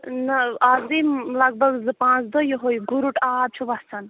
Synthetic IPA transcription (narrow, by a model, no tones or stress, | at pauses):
nɐaːzimlɐɡ̚bɐɡzɨpãːt͡sʰd̪əjoɦojɡuɾuʈaːb̚t͡ʃʰuʋɐst͡sʰɐn